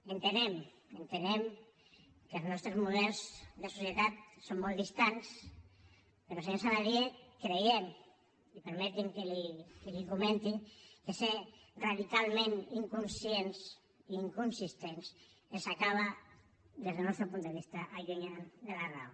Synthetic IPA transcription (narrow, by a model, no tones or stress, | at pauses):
ent̪enem | ent̪enem | kəlznɔst̪ɾezmuðɛlˠzðesusjet̪at̪̚somːɔld̪ist̪ans | peɾosensalaðiekɾejem | ipeɾmɛt̪iŋkelikelikumẽnt̪iŋkeseraðikalˠmẽniŋkunsjens | iːŋkunsist̪ens | elsakaβa | d̪ezðelnɔst̪ɾopund̪eβ̞ist̪aʔaʎuɲand̪elara̰w